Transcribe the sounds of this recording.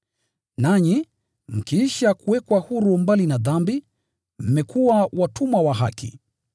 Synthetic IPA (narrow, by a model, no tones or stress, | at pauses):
naɲi | m̩kiiʃakuwɛkwahuɾumbalinaðambi | m̩mɛkuwawatʰumwawaɦa̰kḭ